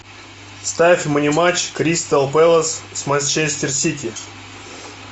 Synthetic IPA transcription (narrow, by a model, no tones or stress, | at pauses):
st̪afʲmənʲimat͡ɕkɾʲist̪alˠpɛlˠəssmanʲsʲt͡ʃesʲtʲɪrsʲit̪ʲi